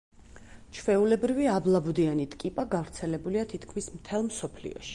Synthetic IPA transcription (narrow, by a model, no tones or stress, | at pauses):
t͡ʃʰvɛulɛbɾiviablˠabud̪ianit̪ʼkʼipʼaɡavɾt̪sʰɛlɛbuliat̪ʰit̪ʰkʰmismt̪ʰɛlˠmsɔpʰlḭɔ̰ʃi̥